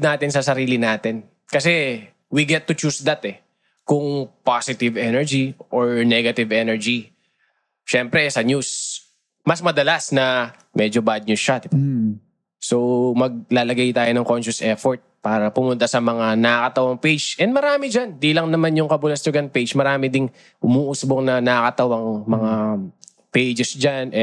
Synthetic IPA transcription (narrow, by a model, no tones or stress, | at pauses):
naːt̪ɪnsɐsɐɾiːlɪnaːt̪ɛn | kɐsɛ | wiɡɛt̪ːʊt͡ʃusd̪ɐt̪ɛ | kʊŋpasɪt̪ɪvɛnɛɹd͡ʒiʔoɹnɛɡɐt̪ɪvɛnɛɹd͡ʒi | ʃɛmpɾɛɛsɐɲus | mɐsmɐd̪ɐlasnɐ | mʔɛd͡ʒobad̪̚ɲuʃat̪ | somɐɡ̚laːlɐɡajt̪aːjo̞nɐŋko̞nʃʊsʔɛfoɹt̪̚paːɾɐpʊmʊnt̪asɐmɐŋanɐkɐt̪ɐwɐŋpejd͡ʒʔɛnd̪̚mɐɾaːmɪd͡ʒand̪ilɐŋnɐmanjʊŋkɐbʊlɐst̪ʊɡɐnpejd͡ʒmɐɾaːmɪd̪ɪŋ | ʔʊmuːʔusboŋnɐnɐkɐt̪ɐwɐŋmɐŋa | pejd͡ʒɛsd͡ʒanɛ